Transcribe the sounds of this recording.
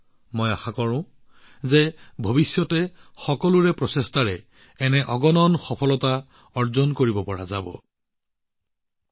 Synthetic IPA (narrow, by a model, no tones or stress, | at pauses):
mojaxakɔɹʊ̃ | zebʱobisjɔtɛxɔkɔluɹɛpɹɔsestaɹɛ | ɛnɛʔɔɡɔnɔnxɔpʰɔlɔta | ɔɹzɔnkoɹibɔpɔɹa̰zabɔ̰